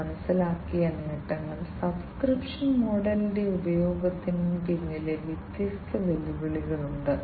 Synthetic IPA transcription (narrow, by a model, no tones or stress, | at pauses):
ɐnɐsːilaːkːijɐneːʈːɐŋːɐɭsɐbskripʂɐnmo̞ːɽɐlɽe̞ubɐjo̞ːɡɐt̪ːinumkeɲːileʋjit̪jist̪ʰɐʋelːiʋɐɭiɣɐɭuɳɖɨ